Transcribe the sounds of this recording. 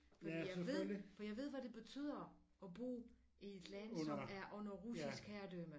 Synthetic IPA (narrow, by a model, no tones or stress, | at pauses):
fɒdḭjʋe̝ð̰ˠfɒ̽jɑɪʋe̝ð̰ˠʋæd̥e̝b̥e̝t͡sʰy̰ð̞̰ˠɐ | ɒ̽b̥o̝̰ː | ʔied̥læn̰sɒ̽æɐʔɔ̽n̰ɐʁusisɡ̥hæɐd̥ømə